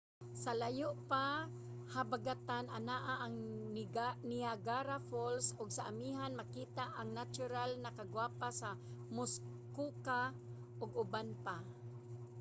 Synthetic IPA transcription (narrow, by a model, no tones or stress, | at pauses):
salajʊʔpa | habaɡat̪ananaʔaʔaŋnɡanɪaɡaɾafolsʊɡsaʔamiɦanmakiːt̪aʔaŋnat͡ʃʊɾalnakaɡwapasamʊs | kuka | ʔʊɡʊbanpa